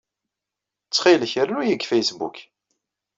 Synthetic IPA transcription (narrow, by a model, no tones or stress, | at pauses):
t͡sːχilçɾənujəɡfæjsbṵk